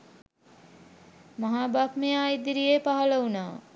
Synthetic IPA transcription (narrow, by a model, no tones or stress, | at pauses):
mɐɦaːbakmeaːjd̪iɾijepaɦɐlɐunaː